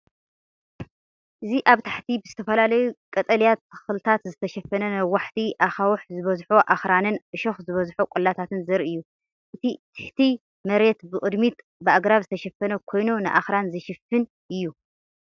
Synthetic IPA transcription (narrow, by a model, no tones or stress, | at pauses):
ʔɨziʔaβt̪ʰaħt̪ʰibɨzɨt̪ʰɐfɐlalɐjukʼɐt̪ʼɐljat̪ːɨ̥xlɨt̪ʰat̪zɨt̪ʰɐʃɐfːɐnɐnɐwaħt̪ʰiʔaxawħzɨβɐzħoʔaxɾanɨnʔɨʃoxzɨβɐzħokʷʼɔlːat̪ʰat̪ʰɨnzɐɾɨjːu | ʔɨt̪ʰit̪ʰɨ̥ħt̪ʰi | mɐɾe̞t̪bɨkʼɨd̪mit̪ | bɨaɡɾaβzɨt̪ʰɐʃɐfːɐnɐkʰo̞jnunɨʔaxɾanzɐʃɪfːɨn | ʔɨjːu